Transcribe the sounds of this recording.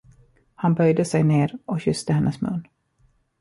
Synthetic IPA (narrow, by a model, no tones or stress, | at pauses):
hanbœjd̪əsɛjneːɾɔkɕʏst̪əhɛnʔəsmɵ̰nː